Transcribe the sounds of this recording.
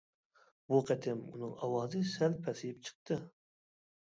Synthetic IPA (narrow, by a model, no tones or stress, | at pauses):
buqʰæt̪ʰɪmṵnɨŋɑwɑːzɨsælpʰæsɪjɪp̚t͡ʃʰɨ̥q̚t̪ʰɨ